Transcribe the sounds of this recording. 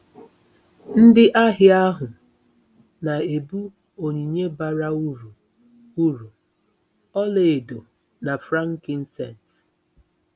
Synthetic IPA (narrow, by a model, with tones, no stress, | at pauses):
n̩˦dɪ˦ʔa˦ɦɪ˨a˦ɦʊ˨ | na˨e˨bu˦ | o˨ɲi˨ɲe˦ba˨ɾa˦u˦ɾu˨ | u˦ɾu˨ | ɔ˦le˨e˨do˨ | na˨fɾa˦ŋ̩˦kɪ˦n̩˦sɛ̰˨n˨t